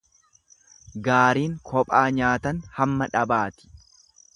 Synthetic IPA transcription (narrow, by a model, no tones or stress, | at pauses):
ɡaːɾiːŋkʰɔpʼaːɲaːt̪ɐnhɐmːɐᶑɐbaːt̪ɪ̥